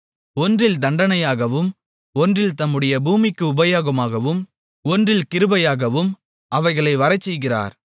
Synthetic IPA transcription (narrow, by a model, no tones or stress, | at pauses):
ɔndrɪld̪ɐɳɖɐnɐjaːɣɐʋɯm | ɔndrɪlt̪ɐmːɯɽɐjɐbuːmɪkːɯʊbɐjaːɣɐmaːɣɐʋɯm | ɔndrɪlkɪɾɯbɐjaːɣɐʋɯm | ʔɐʋɐɪɣɐɭɐɪʋɐɾɐɪt͡ʃːɛjɣɪra̰ːɾ